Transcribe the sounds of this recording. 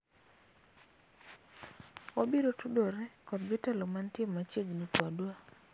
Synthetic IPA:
obiɾotudoɾɛkɔdbɪtɛlomantjemːat͡ʃeɡnikwadwa

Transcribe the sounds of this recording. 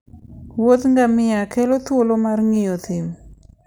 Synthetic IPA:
wot̪ŋɡamɪjakelot̪wolomarŋɪjot̪ɪm

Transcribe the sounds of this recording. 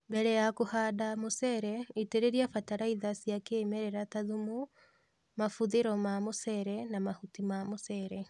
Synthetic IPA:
mbeɾɛjakohadamosɛɾɛiteɾeɾiafataɾaiðasiakemeɾeɾataðumu | mafuðeɾɔmamosɛɾɛnamahutimamosɛɾɛ

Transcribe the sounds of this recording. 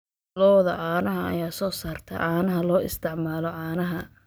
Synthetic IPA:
lɔːðɐ̰ʕaːnɐɦɐɐ̰jaːsɔːsaːrt̪ʰɐ̰ʕaːnɐɦɐlɔːɪ̰st̪ʰɪʕmaːlɔʕɑːnɐɦɐ

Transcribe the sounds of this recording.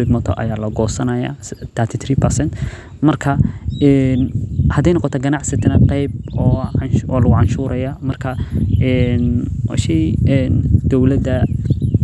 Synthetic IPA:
ɪd̪mɐt̪ʰɔ̰ʔɐ̰jaːlɐɡɔːsɐnɐja̰t̪ʰɐt̪ʰit̪ʰriːpʰɐsɛnt̪ | mɐrkʰɐɛnhɐd̪ɛjnɔqɔt̪ʰɔɡɐnɑʕsɪt̪ʰɐnɐqɛjb̚ɔːɔːlɐɣʊʕɑnʃuːɾɐjamɐrkʰɐɛnwa̰ːʃɛjɛnd̪̥ɔwlɐd̪ɐ

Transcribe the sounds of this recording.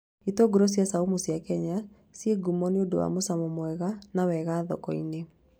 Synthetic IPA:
itoɡoɾɔs̬jasaumusjakɛɲa | sjeɡumɔneodowa̰mosamɔmwɛɣanawɛɣaːðɔ̰kɔine

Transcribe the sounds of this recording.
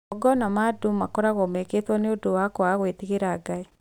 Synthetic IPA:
ɔɡɔnɔmadomakɔɾaɣɔmeketwɔneodowakɔaɣwetiɣeɾaːɡai

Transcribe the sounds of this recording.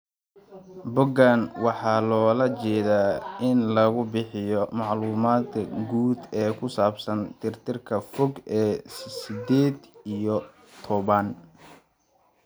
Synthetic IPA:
bʊɡanwɑħɑːlɔːlɐt͡ʃɛːðaːʔɪnlɐɣʊbɪħɪjɔmɑʕluːmaːd̪ɐɡuːd̪ɛːkʰʊsaːbsɐnt̪ʰɪrt̪ʰɪrkʰɐfɔɡɛːsɪd̪ɛːd̪ijɔ | t̪ʰɔβɐn

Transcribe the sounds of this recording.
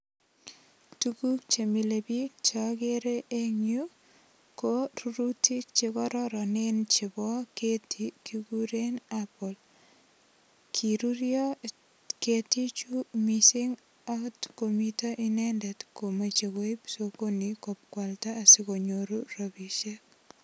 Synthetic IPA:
tukuk̚t͡ʃemilebit͡ʃɔkeɾeʔeɲju | koɾuɾutit͡ʃekɔɾɔɾɔnent͡ʃibɔketikikuɾenapɔl | kʰiɾuɾjɔ | ketit͡ʃumisiŋ | atkomitɔʔinɛndɛtkomat͡ʃekojpsokonikop̚kwaltaːsikoɲoɾurobiʃe

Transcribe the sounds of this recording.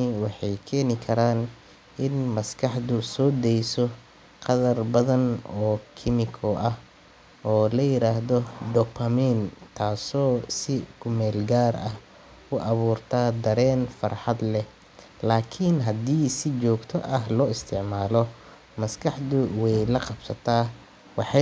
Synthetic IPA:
ɪwɑħɑjkʰɛːnɪkʰɐɾaːn | ʔɪnmɐskʰɑħd̪ʊsɔːd̪ɛjsɔ | qɑðɐrbɐðɐnɔːkʰɪmɪkʰɔʔɐh | ɔːlɐjɪɾaːɦðɔd̪ɔpʰɐmɛnt̪ʰaːsɔːsɪkʰʊmɛːlɡaːɾɐh | ʊʔɐβuːrt̪ʰaːd̪ɐɾɛːnfɐrħɑd̪lɛ | laːkʰɪnɦɐd̪iːsɪt͡ʃɔːɡt̪ʰɔʔɐɦlɔːɪst̪ʰɪʕmaːlɔ | mɐskʰɑħd̪ʊwɛjlɐqɑbsɐt̪ʰaː | wɑħɑ

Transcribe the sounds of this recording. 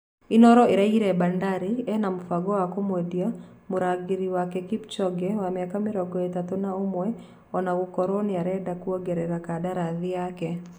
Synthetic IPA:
inɔɾɔeɾaiɾɛbandaɾiɛnamufaɡɔwakɔmwɛdiamuɾaɡiɾiwakɛkipt͡ʃɔɡɛwamɪakamɪɾɔɡɔɛtatonaomwɛ | ɔnaɣukɔɾonɪaɾɛdakuɔɡɛɾɛɾakadaɾaðɪjakɛ

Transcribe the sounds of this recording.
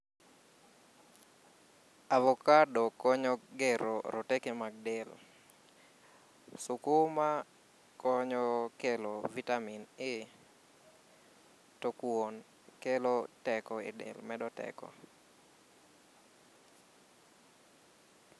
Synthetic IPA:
avɔkadɔkɔɲɔɡeɾoɾotɛkemaɡ̚dɛl | sʊkuma | kɔɲɔkelovitaminɪ | tokwon | kelotɛkɔɪ̰dɛ̰lmɛdɔtɛ̰kɔ̰

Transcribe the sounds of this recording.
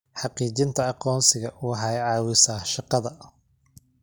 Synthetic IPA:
ħɑqiːt͡ʃɪnt̪ʰɐɑqɔːnsɪɣɐʔuːɦɑjʕɑːwɪsaːʃɑqɑðɐ

